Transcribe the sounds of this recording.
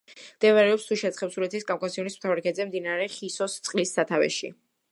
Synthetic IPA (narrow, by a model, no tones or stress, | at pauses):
md̪̥ɛvaɾɛɔpst̪ʰuʃɛt̪sχɛpsuɾɛt̪ʰiskʼamkʼasiɔnismt̪ʰavɾikʰɛd̪zɛmd̪inaɾɛχisɔst̪sʼqʼlisːat̪ʰavɛ̰ʃḭ